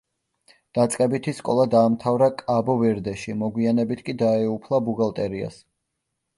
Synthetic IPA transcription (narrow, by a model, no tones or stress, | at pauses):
d̪̥at̪sʼqʼɛbit̪ʰiskʼɔlˠad̪aːmt̪ʰavɾakʼabɔvɛɾd̪ɛʃimɔɡwianɛbit̪ʰkʼid̪aɛupʰlˠabuɡalˠt̪ʼɛɾia̰s